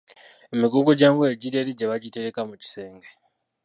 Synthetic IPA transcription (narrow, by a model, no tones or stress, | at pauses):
emiɡuɡoɟaːŋɡueɟiɾeɾiɟeβaɟite̞ɾekamuci̥se̞ːŋɡe